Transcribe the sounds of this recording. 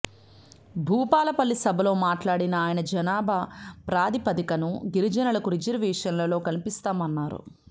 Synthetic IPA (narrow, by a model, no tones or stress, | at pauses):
bʱuːpaːlɐpɐlːisɐbʱɐlo̞ːmaːʈlaːɽinɐːjɐnɐd͡ʒɐnaːbʱɐpɾaːd̪ipɐd̪ikɐnuɡiɾid͡ʒɐnɐlɐkuɾid͡ʒɐɾʋiːʂɐnlɐlo̞ːkɐnipist̪aːmɐnːaːɾṵ